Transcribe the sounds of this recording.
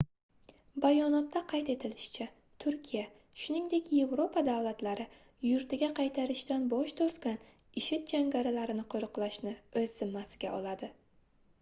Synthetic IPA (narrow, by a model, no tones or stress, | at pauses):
bajɒnɒt̪ːaqʰɑjt̪e̞t̪ʰɪlɪʃt͡ʃʰa | t̪ʰʊɾkʲʰija | ʃʊnɪŋd̪e̞kʲje̞vɾopʰad̪avlˠat̪laɾɪ | jʊɾt̪ɪɡʲaqʰɑjt̪ʰaɾɪʃt̪anbɒʃt̪ʰoɾt̪ɡʲanɪʃɪt̪̚d͡ʒaŋɡʲaɾalaɾɪnɪqʰoɾɨqlˠaʃnɪɵz̥ːɪmːasɪɡʲaɒlˠad̪ɪ